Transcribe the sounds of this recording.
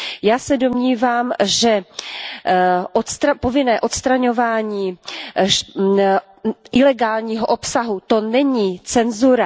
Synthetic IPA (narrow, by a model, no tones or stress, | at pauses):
jaːsɛdo̞mɲiːvaːmʒɛ | ʔot̪st̪ɾapovɪnɛːʔo̞t̪st̪ɾaɲo̞vaːɲiːʃ | ʔɪlɛɡaːlɲiːɦoʔopsaɦut̪o̞nɛɲiːt͡sɛnzuɾa